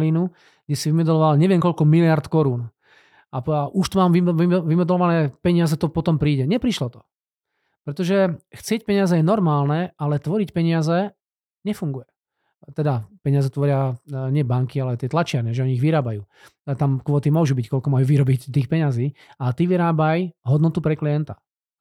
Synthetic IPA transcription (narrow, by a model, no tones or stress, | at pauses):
liːnu | ɡ̥ɟɛsiʋimɛd̪lɔʋalɲɛʋɪɛmkɔʎkɔmilɪaɾt̪kɔɾuːn | aaʔuʃt̪ɔmaːmʋiiʋimɛd̪ɛlɔʋanɛːpɛɲɪazɛt̪ɔpɔt̪ɔmpɾiːɟɛɲɛpɾiʃlɔt̪ɔ̥ | pɾɛt̪ɔʒɛxt͡sɪɛc̚pɛɲɪazɛjɛnɔɾmaːlnɛalɛt̪ʋɔɾicpɛɲɪazɛ | ɲɛfuŋɡujɛ | t̪ɛd̪apɛɲɪazɛt̪ʋɔɾɪaɲɪɛbaŋkialɛat̪ɪɛt̪lat͡ʃɪaɾɲɛʒɛɔɲiːɣʋiɾaːbajuː | t̪amkʋɔːt̪imʊɔʒubickɔlkɔmajuːʋiɾɔbict̪iːxpɛɲaziːat̪iːʋiɾaːbajɦɔd̪nɔt̪upɾɛkliɛnt̪ḁ